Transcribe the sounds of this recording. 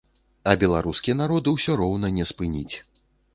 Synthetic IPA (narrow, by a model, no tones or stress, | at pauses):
ɐbʲɛlˠaɾuskʲijɐnaɾɔd̪ɨwsʲɔɾɔwnɐnʲɛspɨnʲit͡sʲ